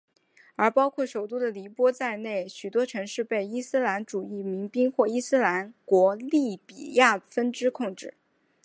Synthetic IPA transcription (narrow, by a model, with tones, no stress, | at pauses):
ə˞˧˥pɑ˥ʊkʰwɔ˥˩ʂo˨˩ʊt̪u˥d̪ə˨li˧˥pwɔ˥t͡sa˥˧ɪne˥˩ɪɕy˨˩t̪wɔ˥ʈ͡ʂʰɤ˧˥ŋʂɻ̩˥˧pe˥˩ɪi˥sɹ̩˥la˧˥nʈ͡ʂu˨˩i˥˩mi˧˥ŋpi˥ŋxwɔ˥˩i˥sɹ̩˥la˧˥nkwɔ˧˥li˥˩pi˨˩ja˥˩fə˥nʈ͡ʂɻ̩˥kʰʊ˥˧ŋʈ͡ʂɻ̩˥˩